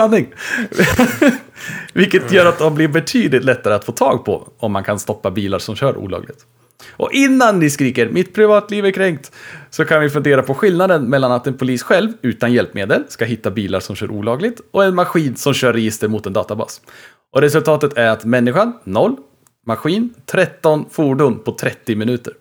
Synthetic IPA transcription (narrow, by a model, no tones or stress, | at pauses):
anːɪŋ | vɪlkːət̪jœːɾat̪̚d̪ɔmblɪɾbɛt̪ʰyːd̪lɪt̪lɛt̪ːaɾəat̪foːt̪ʰɑːɡpʰɔ̰ɔmːankʰanst̪ɔpːabiːlaɾʂɔmɕœːɾṵːlɑ̰ːɡlɪɡt̪ | ʔɔ̰ʔɪnːannɪskɾiːkəɾmʔɪt̪pʰɾɪvɑːt̪liːvæɾkʰɾɛŋk̚t̪sɔkʰanvɪfɵnd̪eːɾapʰɔɧɪlnad̪ənmɛlːanat̪ɛnpʰʊliːsɧɛlvʉ̟ːt̪anjɛlpmeːd̪əlskaɦɪt̪ːabiːla̰ɾʂɔmɕœ̰ːɾʔṵːlɑːɡlɪt̪ɔɛnmaɧiːnsɔmɕœːɾɛjɪst̪əɾmʊt̪ɛnd̪ɑːt̪abɑ̰ːs | ʔɔɾɛsɵlt̪ʰɑːt̪ət̪ʰæɾat̪mɛnːɪɧanːɔlː | maɧiːnt̪ʰɾɛt̪ːɔnfuːɖʊnpʰɔt̪ʰɾɛt̪ːɪmɪnʉ̟ːt̪əɾ